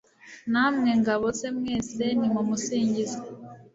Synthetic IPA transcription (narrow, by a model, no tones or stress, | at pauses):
naːmŋe̞ŋɡaβo̞se̞mŋe̞ːse̞nimumusiːɲɟize